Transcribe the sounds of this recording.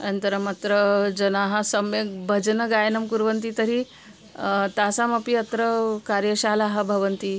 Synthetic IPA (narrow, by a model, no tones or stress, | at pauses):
ənt̪əɾəmat̪ɾəd͡ʑənaɦasəmjeɡ̚bʱəd͡ʒnəɡajnəmkuɾʋənt̪it̪əɾi | t̪asaməpiət̪ɾəkaɾjəɕalaɦabʱəʋənt̪iː